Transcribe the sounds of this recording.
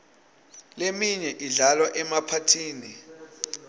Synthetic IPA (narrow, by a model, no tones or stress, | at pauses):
lemiɲɛʔiɮalwaʔɛmapʰatʰiːni